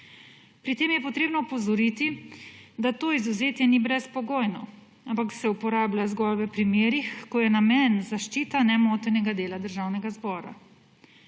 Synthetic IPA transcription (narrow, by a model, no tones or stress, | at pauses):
pɾit̪eːmjɛpɔt̪ɾeːbnɔpɔzɔɾit̪id̪at̪oːizuzeːt̪jɛnibɾɛspɔɡoːjnɔ̰ | ampaksɛupɔɾaːblazɡɔlʋɛpɾimeːɾixkɔjɛnamɛnzaʃt͡ʃiːt̪anɛmoːt̪ɛnɛɡad̪eːlad̪əɾʒaːwnɛɡazbɔːɾa̰